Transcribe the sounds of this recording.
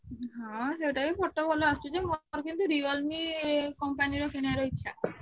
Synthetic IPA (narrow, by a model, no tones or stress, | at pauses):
ɦãʃeʈabifɔʈːobɔloaʃt͡ɕʰod͡ʑemoɾkint̪uɾiɡolmikɔmpaniɾokeneaɾojt͡ɕʰe